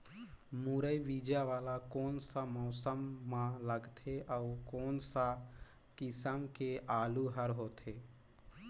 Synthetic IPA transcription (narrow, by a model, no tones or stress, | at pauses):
muːɾəiʋiːd͡ʒaʋaːlakoːnsamɔːsəmːãləɡt̪ʰeʔəʊkoːnsa | kɪsəmkeʔaːluɦəɾɦoːt̪ʰeː